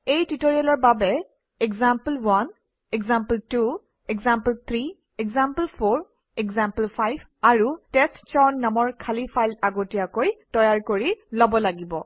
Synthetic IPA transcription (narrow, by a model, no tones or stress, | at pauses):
ejtutoɹialɔɹbabɛ | ɛɡzampəlwan | ɛɡzampəltu | ɛkzampəlt̪ʰɹi | ɛkzamplpʰoɹ | ɛɡzampəlpʰajb | aɹutɛstt͡ʃɔnːamɔɹkʰalipʰajltaɡotijakojtɔjaɹkoɹilɔbɔlaɡibɔ